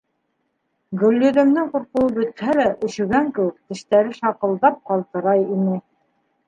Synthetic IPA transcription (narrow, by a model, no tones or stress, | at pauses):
ɡɵ̆lːɵ̆ðɘ̆md̪ɘŋquɾqŭwɤbɵ̆t̪hælæʔɵ̆ʃɵ̆ɡæŋkɘ̆wɘk̚t̪ɘ̆ʃt̪æɾɘʃɑqɤ̆lˠd̪ɑp̚qɑlˠt̪ɤ̆ɾɑjinɘ